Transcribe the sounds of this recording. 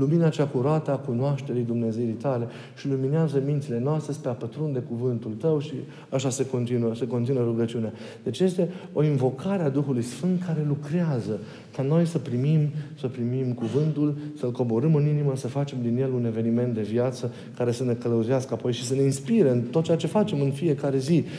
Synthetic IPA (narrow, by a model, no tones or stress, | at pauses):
luminat͡ʃakuɾat̪əakunoaʃt̪e̞ɾijd̪umne̞zejijt̪ale̞ | ʃilumineazəmint̪sile̞noast̪ɾespeapət̪ɾund̪e̞kuvɨnt̪ult̪əwʃi | aʃase̞ko̞nt̪inuəseko̞nt̪inəɾuɡət͡ʃiunea | d̪̥e̞t͡ʃje̞st̪e̞o̞invo̞kʰaɾead̪uxulujsfɨnt̪̚kaɾe̞lukɾeazə | kano̞jsəpɾimimsəpɾimimkuvɨnt̪ulsəlko̞bo̞ɾɨmɨniniməsəfat͡ʃe̞md̪inje̞lune̞ve̞nime̞nt̪̚d̪e̞vjat̪sə | kaɾe̞səne̞kələuziaskəapo̞jʃisəne̞inspiɾeɨnt̪ot̪̚t͡ʃeat͡ʃe̞fat͡ʃe̞mɨnfije̞kaɾe̞zi